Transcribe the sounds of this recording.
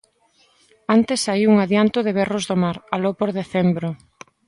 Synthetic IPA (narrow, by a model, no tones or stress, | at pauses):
ant̪esaiuŋaðjant̪ʊðɪβɛrozðomaɾalopoɾðeθɛmbɾʊ